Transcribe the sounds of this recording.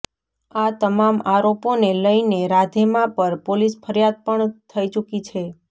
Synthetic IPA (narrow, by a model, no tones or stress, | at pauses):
at̪əmamaɾoponeləineɾad̪ʱemãpəɾpolisfʰəɾjad̪̚pəɳt̪ʰəit͡ʃukit͡ʃʰe